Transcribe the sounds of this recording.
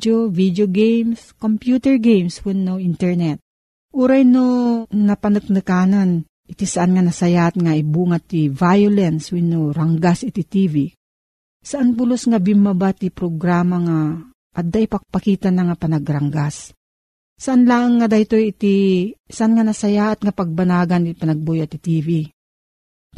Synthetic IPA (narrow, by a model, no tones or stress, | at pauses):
ovid̪joɡejmskompjuːt̪ɛɹɡejmswinːoʔint̪ɛɹnɛt̪̚ | ʔuɾajnonɐpɐnɨk̚nɨkanan | ʔɪt̪isaʔanŋanɐsajat̪ŋaibuːŋat̪ivajolɛnswinːoɾaŋɡasʔɪt̪it̪ivi | saʔanpʊlosŋabimːabat̪ipɾoɡɾaːmaŋa | ʔːd̪aʔipaɡ̚pakiːt̪anaŋapɐnaɡɾaŋɡasː | aʔanlaʔaŋːad̪ajt̪ojit̪isaʔanŋanasajaʔat̪ŋapaɡ̚banaːɡanipanaɡ̚bojat̪it̪ivi